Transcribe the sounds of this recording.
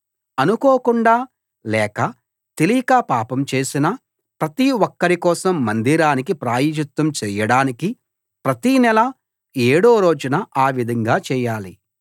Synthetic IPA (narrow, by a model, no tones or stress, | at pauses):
ɐnukoːkuɳɖaː | lɛːkɐ | t̪elikaːpaːpɐmt͡ʃe̞ːsinɐ | pɾɐt̪iwɔkːɐɾikɔːsɐmːɐnd̪iɾaːnikipɾaːjid͡ʒut̪ːɐmt͡ʃɛːjɐɽaːniki | pɾɐt̪inɛlɐ | eːɽoːɾo̞ːd͡ʒunɐaːʋid̪ʱɐŋɡaːt͡ʃɛːjaːli